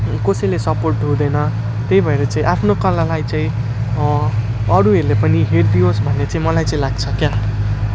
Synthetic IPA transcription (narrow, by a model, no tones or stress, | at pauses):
kosʌjlesʌporʈɦũd̪ʌnʌ | t̪ejbʱʌeɾʌt͡saĩʔapʰnokʌlalajt͡saĩ | ʌɾuɦeɾulepʌniɦerd̪iosbʱʌnːet͡saĩmʌlajt͡saĩlaɡ̚t͡sʰʌkja